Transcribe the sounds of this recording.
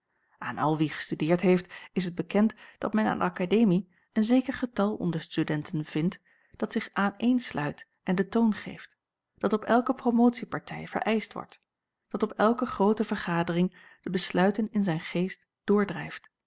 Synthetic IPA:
aːnɑ̰lˠʋiχə̥stydɪːɹtɦejftɪs̬əd̚bəkɛntd̥ɑtmɛna̰ːndə̰ɑkadejmi | ənzejkəɹχətɑlˠɔ̰ndəɹstydɛntənv̥ɪnt | d̥ɑtsɪχʔaːnejnslʔœɥt | ʔɛndətownχḛjft | d̥ɑtɔpɛlˠkəpromowtsipɑɹtʰɛ̰jv̥ə̰ɹʔɛjstʋɔ̰ɹt | d̥ɑtɔpɛlˠkəχrowtəvəɹχaːdərɪŋ | d̥əbəslœɥtənɪnzɛjnχejst | d̥ʊːɹdrɛjft

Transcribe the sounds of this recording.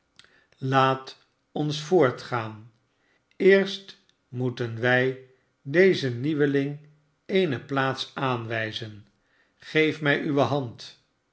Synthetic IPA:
laːt | ɔnsfʊːɹtχaːn | ɪːɹst | mutənʋɛj | dejzəniʋəlɪŋ | ejnəplaːtsaːnʋɛjzən | χejfmɛjʔyʋəɦɑnt

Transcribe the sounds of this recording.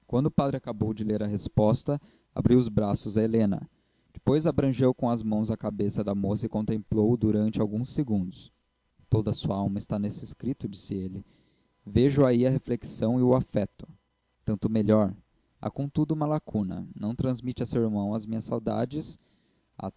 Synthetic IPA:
kwɐ̃nd̪ʊpad̪ɾɪakabowd͡ʒɪleɾɐɦespɔst̪ɐ | a̰bɾiwʊzbɾasʊzɐelẽnɐ̰ | d͡ʒɪ̥pojzabɾɐ̃ʒewkõw̃ɐzmɐ̃w̃zɐkabesɐd̪ɐmosɐɪkõnt̪ẽmplowd̪uɾɐ̃nt͡ʃɪawɡũseɡũnd̪ʊs | t̪od̪ɐsuɐawmɐɪst̪anesɪskɾit̪ʊd͡ʒisɪelɪ | veʒʊaiɐɦefleksɐ̃w̃ɪʊafɛt̪ʊ̥ | t̪ɐ̃nt̪ʊmeʎɔɾ | a̰kõt̪ud̪ʊũmɐlakunɐ̰nɐ̃w̃t̪ɾɐ̃zmit͡ʃɪɐsewɪɾmɐ̃w̃ɐzmĩɲɐsawd̪a̰d͡ʒɪs | a̰

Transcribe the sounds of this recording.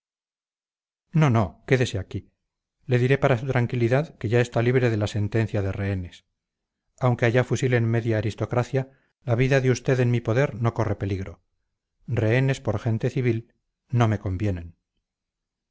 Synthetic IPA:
no̞no̞ke̞ðe̞seaki | le̞ðiɾe̞paɾasut̪ɾaŋkiliðaðke̞ʝae̞st̪aliβ̞ɾe̞ðe̞lase̞nt̪e̞n̟θjaðe̞re̞ene̞s | awŋke̞aʝafusilenme̞ðjaːɾist̪o̞kɾaθja | laβiðaðeust̪e̞ðe̞nmipo̞ðe̞ɾno̞ko̞re̞pe̞liɣɾo̞ | re̞ene̞spo̞ɾxe̞nt̪eθiβ̞il | no̞me̞ko̞mbje̞ne̞n

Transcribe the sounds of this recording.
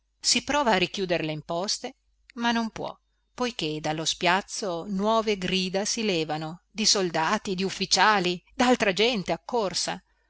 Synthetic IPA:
sipɾɔːvaːrikjuːd̪eɾleimpɔst̪e | manːompwɔ̰ | pojked̪alːospjat̪sːonwɔːveɡɾiːd̪asilɛːvanod̪isold̪aːt̪id̪iufːit͡ʃaːlid̪alt̪ɾad͡ʒɛnt̪eakːorsa̰

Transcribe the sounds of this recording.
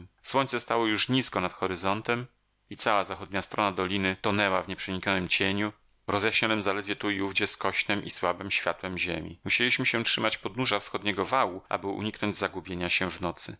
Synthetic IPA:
swɔɲt̪sɛst̪awɔjuʂɲiskɔnat̪xɔɾɘzɔnt̪ɛm | it̪sawazaxɔd̪̚ɲast̪ɾɔnad̪ɔlʲinɘt̪ɔnɛwavɲɛpʂɛɲikɲɔnɘmt͡ɕeɲu | ɾɔzjaɕɲɔnɘmzalɛd̪vʲjɛt̪uiuvd͡ʑɛskɔɕnɛmʔḭswabɘmɕfʲja̰t̪wɛmʑemʲḭmuɕelʲiɕmɘɕɛtʂɘmat͡ɕpɔd̪nuʐafsxɔd̪ɲɛɡɔvawuʔa̰bɘṵɲiknɔɲd͡ʑzaɡubʲjeɲaɕɛvnɔt̪sɘ̰

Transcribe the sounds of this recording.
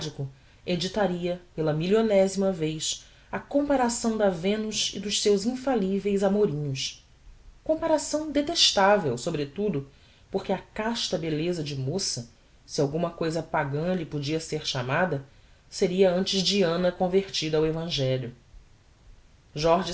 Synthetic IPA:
d͡ʒikʊ | ed͡ʒit̪aɾiɐpelɐmiʎonɛzimɐvejʃ | ɐkõmpaɾasɐ̃w̃d̪ɐvẽnʊʃḭd̪ʊʃsewzĩfalivejzamoɾĩɲʊs | kõpaɾasɐ̃w̃d̪et̪eʃt̪avewsobɾet̪ud̪ʊ | poɾkʲɪɐkaʃt̪ɐbelezɐd͡ʒɪmosɐ | siawɡũmɐkojzɐpaɡɐ̃ʎipod͡ʒiɐseɾʃamad̪ɐ | seɾiɐɐ̃nt͡ʃɪzd͡ʒiɐ̃nɐkõveɾt͡ʃid̪ɐːwevɐ̃ʒɛʎjʊ | ʒɔɾʒi

